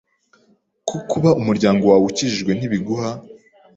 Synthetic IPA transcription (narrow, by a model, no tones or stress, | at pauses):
kʰukuβaʔumuɾɟaːŋɡo̞wawuciʒiʒɡwe̞n̥iβiɡuha